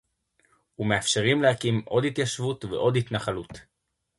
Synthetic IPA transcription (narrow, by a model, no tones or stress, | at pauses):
hume̞afʃe̞ʁimlehakimʔo̞d̪it̪jaʃvutvḛʔo̞d̪it̪naχalut